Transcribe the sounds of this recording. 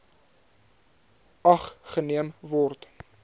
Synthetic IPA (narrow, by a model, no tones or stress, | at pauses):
ʔɐχχəniəmvɔrt